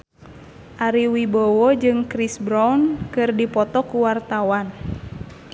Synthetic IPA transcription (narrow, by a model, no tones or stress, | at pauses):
ʔaɾiwibɔwɔd͡ʒɨŋkɾisbɾawnkɨrdipɔt̪ɔkuwart̪awan